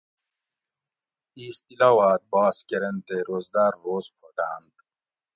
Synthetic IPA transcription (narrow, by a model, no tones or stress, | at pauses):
iːst̪ilaːwaːt̪̚bɑːskeɾent̪eɾoːzd̪aːɾːoːzpʰoʈ̪aːnd̪